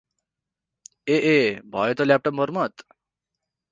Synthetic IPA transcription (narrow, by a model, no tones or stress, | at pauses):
eʔebʱʌjet̪ʌlap̚ʈʌpmʌɾmʌt̪